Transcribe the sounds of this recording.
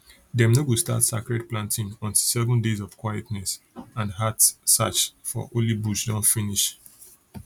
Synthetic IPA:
dɛmnowusta̰tsa̰kɹɛtplãntĩnɔ̃ntilsɛvɔ̃ndezɔv̥kwajɛtnɛs | ãnɦatsa̰t͡ʃfɔ̰ʔolibuʃdɔ̃nfiniʃ

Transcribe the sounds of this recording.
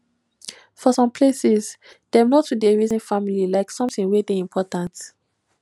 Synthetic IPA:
fɔsɔ̃mpʰlesiz | d̥ɛ̃mnotudeɹizĩnfamililaɪksɔ̃mθĩŋwedeĩmpʰɔtãnt

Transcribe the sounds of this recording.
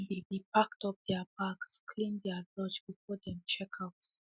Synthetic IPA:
ndebipaktɔp̚d̥ɛabakskʰlĩndɛalɔd͡ʒbifɔdɛ̃mt͡ʃɛkʰaʊt

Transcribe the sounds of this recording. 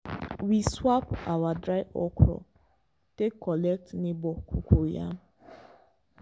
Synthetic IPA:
wiswapa̰wadɾaɪʔɔkʰɾɔ̰ | tekʰːɔlɛk̚tnibɔkʰukʷuja̰

